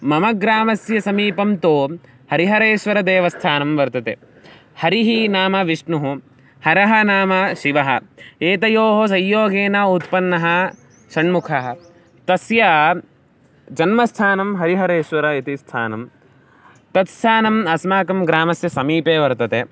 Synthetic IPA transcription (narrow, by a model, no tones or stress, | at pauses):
mɐmɐɡɾaːmɐsjɐsɐmiːpɐmt̪oː | hɐɾiɦɐɾeːʃʋɐɾɐd̪eːʋɐst̪ʰaːnɐmʋɐɾt̪ɐt̪ḛ | hɐɾiɦinaːmɐʋiʂɳuɦu | hɐɾɐɦɐnaːmɐʃiʋɐɦɐ̰eːt̪ɐjoːɦos̬ɐjːoːɡeːnaːut̪pɐnːɐɦɐ | ʃɐɳmukʰɐɦɐ | t̪ɐsjɐ | d͡ʒɐnmɐst̪ʰaːnɐmɦɐɾiɦɐɾeːʃʋɐɾɐit̪ist̪ʰa̰ːnɐm | t̪ɐt̪st̪ʰaːnɐmɐsmaːkɐmɡɾaːmɐsjɐsɐmiːpeːʋɐɾt̪ɐt̪e